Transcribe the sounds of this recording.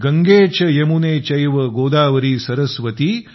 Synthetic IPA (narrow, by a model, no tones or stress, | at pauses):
ɡɐŋɡeːt͡ʃɐjɐmuneːt͡ʃɐjʋɐɡoːd̪aːʋɐɾiːsɐɾɐsʋɐt̪i